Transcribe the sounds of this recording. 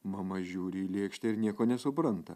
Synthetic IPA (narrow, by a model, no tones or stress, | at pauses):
mɐmɐʒʲuːɾʲɪilʲeːkʃʲt̪ʲɛɪɾnʲiɛkoːnʲɛsʊpɾɐnt̪ɐ